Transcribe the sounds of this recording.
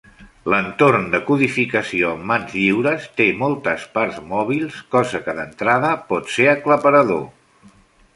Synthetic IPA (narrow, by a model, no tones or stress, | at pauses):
lənt̪oɾnd̪əkuðifikəsioəmːanzʎiwɾəst̪emɔlˠt̪əsparzmɔβ̞ilˠskɔzəkəðənt̪ɾaðəpɔt̪seɾəkləpəɾəðo